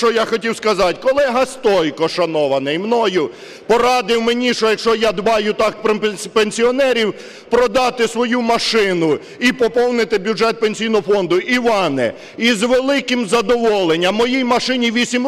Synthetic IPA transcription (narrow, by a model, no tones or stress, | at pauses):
t͡ʃɔjaxɔtʲiwskɐzɑtʲkɔlˠɛɦɐst̪ɔjkɔʃɐnɔʋɐnɐjmnɔjʊ | pɔɾɑd̪ɪwmenʲiʃt͡ʃɔjɐkʃt͡ʃɔjad̪ʋɑjʊt̪ɑkppenʲsʲiɔnɛɾʲiw | pɾɔd̪ɑt̪ɪsʋɔjumɐʃɪnʊ | ipɔpɔwnɪt̪ɪbʲjuʐɛt̪̚penʲsʲijnɔɦɔfɔnd̪ʊʔiʋɑnɛ̰ | izʋelˠɪkɪmzɐd̪ɔʋɔlˠenʲːɐmːɔjijmɐʃɪnʲiʋʲisʲim